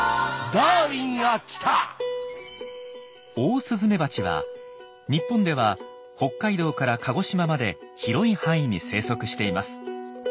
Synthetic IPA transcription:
d̪aːɾʲĩŋɡakʲi̥t̪ʰa | o̞ːsɨzɨme̞bat͡ɕiβa̰ | ɲ̟ipːõ̞nd̪e̞β̞a | ho̞kːaid̪o̞ːkaɾakʰaɡo̞ɕimamad̪e̞çiɾo̞ihãɰ̃ĩɲ̟ḭse̞ːso̞kɯ̟ɕi̥t̪e̞imasɨ̥

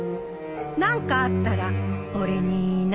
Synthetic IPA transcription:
nãŋkaːt̪ːaɾaoɾe̞ɲin

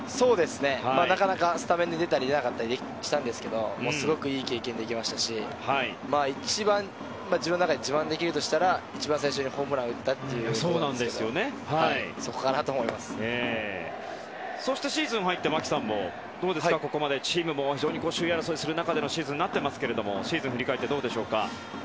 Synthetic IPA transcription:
so̞ːd̪e̞sɨne̞hammaːnakanakasɨ̥t̪ameɲd̪ed̪e̞t̪aɾʲid̪e̞nakat̪ːaɾʲid̪e | ɕi̥t̪ãnd̪e̞sɨ̥ke̞d̪o̞moːsɨɡo̞kɯ̟iːke̞ːkẽ̞nd̪ekʲimaɕi̥t̪aɕihai | maːit͡ɕibãn | maːd͡ʑibɯ̃nonakad̪ed͡ʑibãnd̪e̞kʲiɾɯ̟t̪o̞ɕi̥t̪aɾait͡ɕibãɰ̃s̬aiɕo̞ɲ̟iho̞ːmɯ̟ɾãɯ̟t̪ːat̪ːe̞jɯ̟soːnãnd̪esɨjo̞ne̞hahaiso̞ko̞kanat̪o̞ːmo̞imasɨ̥eː | so̞ɕi̥t̪eɕiːzɨ̃ɰ̃ɦait̪ːe̞makʲi̥sãmːo̞̰ | d̪̥o̞ːd̪e̞skako̞ko̞mad̪e̞t͡ɕiːmɯ̟mo̞çid͡ʒo̞ːɲ̟ikoːɕɨːjaɾasoːisɨɾɯ̟nakad̪e̞no̞ɕiːzɨ̃ɲʲːnat̪ːe̞masɨ̥ke̞ɾe̞d̪o̞mo̞̰ɕiːzɨ̃ɰ̃ɸɯ̟ɾʲikaet̪ːed̪o̞ːd̪e̞ɕo̞ːka̰

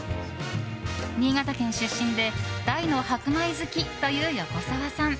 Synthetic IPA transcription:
ɲ̟ʲiːɡat̪akẽ̞ɰ̃ɕɨɕːĩnd̪e̞d̪̥aino̞hakɯ̟maizɨkʲit̪o̞jɯːjako̞saβasãɴ

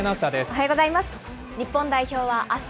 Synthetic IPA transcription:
nasad̪esoɦajoɡo̞zaimasɨ̥ | ɲʲipːõ̞nd̪aiço̞ːβaʔas

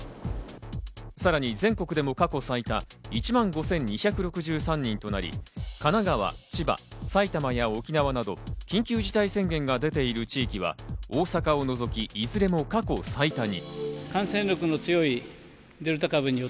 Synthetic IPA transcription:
saɾaɲ̟izẽ̞ŋko̞kɯ̟d̪e̞mo̞kako̞sait̪ait͡ɕimãŋɡo̞sẽ̞ɲ̟ɲːiçakɯ̟ɾo̞kɯ̟ʑɨːsãɲ̟ːĩnt̪onaɾʲḭkanaɡaβa̰t͡ɕiba̰sait̪amajao̞kʲinaβanad̪o̞kʲĩŋkʲɨːʑit̪aisẽ̞ŋɡẽ̞ŋɡad̪e̞t̪e̞iɾɯ̟t͡ɕiːkʲiβa̰oːsakao̞no̞zo̞kʲiːzɨɾe̞mo̞kako̞sait̪aɲ̟ḭkãɰ̃sẽnɾokɯ̟no̞t͡sɨjo̞i | d̪e̞ɾɯ̟t̪akabɯ̟ɲ̟io

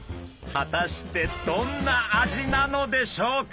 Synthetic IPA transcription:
hat̪aɕi̥t̪e̞d̪õ̞nːaːʑinano̞d̪e̞ɕo̞ːk

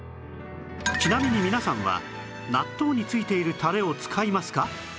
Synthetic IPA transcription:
t͡ɕinamʲiɲ̟imʲinasãɰ̃βa̰ | nat̪ːo̞ːɲ̟it͡sɨit̪e̞iɾɯ̟t̪aɾe̞o̞t͡sɨ̥kʰaimasɨ̥ka

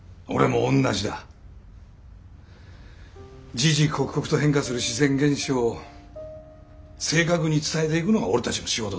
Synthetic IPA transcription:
o̞̰ɾe̞mõ̞ːnːaʑid̪a̰ | d͡ʑiʑikʰokɯ̟̥ko̞kɯ̟̥t̪o̞ɦẽŋkasɨɾɯ̟ɕizẽ̞ŋɡẽ̞ɰ̃ɕoo | se̞ːkakɯ̟ɲ̟it͡sɨ̥t̪aet̪e̞ikɯ̟no̞ɡao̞ɾet̪at͡ɕimoɕiɡo̞t̪o

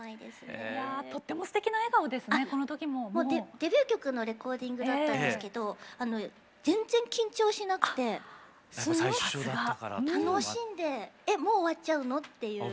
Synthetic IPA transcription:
aid̪e̞̰sɨnejao̞t̪ːe̞mo̞sɨ̥t̪e̞kʲinae̞ɡaod̪e̞sɨaneko̞not̪o̞kʲimomoːed̪̥e̞bʲjɨːkʲo̞kɯ̟no̞ɾe̞ko̞ːd̪ʲĩŋɡɯd̪at̪ːãnd̪esɨke̞d̪o̞ano̞ | d͡zẽ̞nd͡zẽ̞ŋkʲĩɲ̟t͡ɕo̞ːɕinakɯ̟̥t̪e̞ | s | ɡat̪ano̞ɕĩnd̪e̞ːmo̞ːβat͡ɕaɯ̟no̞t̪ːe̞jɯ̟ː

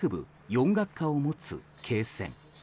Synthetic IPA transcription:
ɯ̟bɯ̟̰ | jõ̞ŋɡakːaomo̞t͡sɨ̰ | kʰe̞ːsẽ̞̰ŋ

